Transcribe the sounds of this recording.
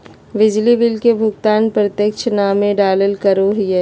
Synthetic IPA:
ʋɪd͡ʒliʋɪlkebʱʊɡt̪aːnpɾət̪jəkʃnaːmẽɖaːləlkɐɾoɦiɛ

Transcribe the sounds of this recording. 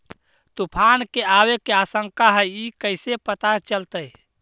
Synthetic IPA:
t̪upʰankeawekeasə̃ŋkaɦəjikəɪsepət̪at͡ʃəlt̪əj

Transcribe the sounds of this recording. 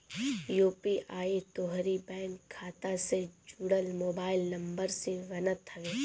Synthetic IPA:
juːpiʔaːit̪oːɦɾibɛ̃ːŋkʰːaːt̪ased͡ʒuːɽəlmoːbaːɪlnɐ̃mbəɾseʋɐnət̪ɦɐʋeː

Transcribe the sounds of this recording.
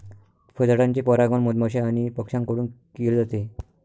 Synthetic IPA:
fʰəd͡zɽãɲt͡ɕepəɾaɡəɳməd̪maɕeaɽ̃ipəkʂãŋkəɽuːnkild͡zat̪e

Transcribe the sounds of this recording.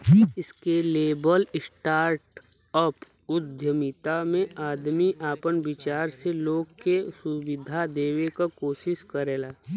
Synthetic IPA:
ɪskeleːbəlɪsʈaːɾʈ | əp | ʊd̪ʱjəmɪt̪amẽaːd̪miʔaːpənbɪt͡ʃaːɾseloːɡkesʊʋɪd̪ʱad̪eːʋekakoːʃɪʃkəɾeːlaː

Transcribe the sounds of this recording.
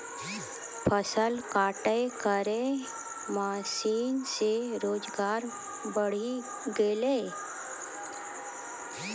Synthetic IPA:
pʰəsəlkaːʈəekəɾẽ | maːsiːnseɾoːd͡ʒɡaːɾ | bəɽ̤i | ɡeːleː

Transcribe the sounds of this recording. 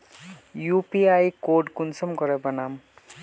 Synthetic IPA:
jupiajkoɖkunsʌmkʌɾʌbʌnam

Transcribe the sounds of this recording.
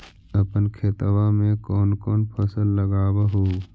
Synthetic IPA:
əpənkʰeːt̪wamẽkɔːnkɔːnpʰəsəlːəɡaːwaɦoː

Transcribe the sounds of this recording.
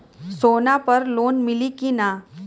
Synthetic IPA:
soːnapəɾloːnmɪlikina

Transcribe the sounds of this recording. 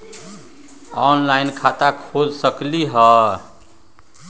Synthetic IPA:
ɔnlaɪnkʰat̪akʰod͡ʒsəkliɦə

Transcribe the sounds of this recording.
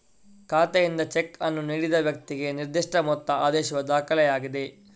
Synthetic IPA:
kaːt̪ejind̪ɐt͡ʃekɐnːuniːɽid̪ɐʋjɐk̚t̪iɡe̞niɾd̪iʂʈɐmɔt̪ːɐaːd̪ɛːʃɐʋɐd̪aːkɐlɛjaːɡid̪e̞

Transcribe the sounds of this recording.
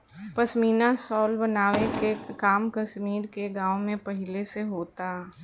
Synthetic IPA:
pɐʃmiːnasɔːlbɐnaːʋekekaːmkɐʃmiːɾkeɡãːwmẽpɐɦɪleseɦoːt̪aː

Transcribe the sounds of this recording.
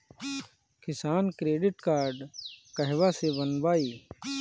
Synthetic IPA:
kɪsaːnkɾeːɖɪʈkaːɾɖkɐɦʋasebɐnbaːiː

